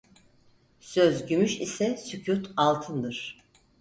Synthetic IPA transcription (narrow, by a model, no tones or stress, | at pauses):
søzɟymyʃisɛsycʰuɾt̪ʰalˠt̪ʰɯnd̪ɯɾ̥